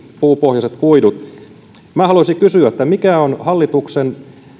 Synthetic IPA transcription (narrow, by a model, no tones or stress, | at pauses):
puːpohjɑset̪kuidut̪ | mæːhɑlusiŋkysyæt̪ːæmikæonhɑlːit̪uksen